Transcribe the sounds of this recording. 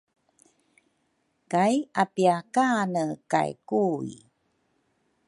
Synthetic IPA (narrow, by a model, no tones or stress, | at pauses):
kajapiakanəka̰jkuḭ